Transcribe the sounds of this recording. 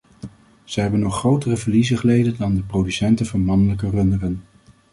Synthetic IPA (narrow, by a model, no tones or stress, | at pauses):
z̥əɦɛbənːɔχːrowtərəvəɹlizəχəlejdədɑndəprodysɛntəvɑnmɑnələkərɵndərən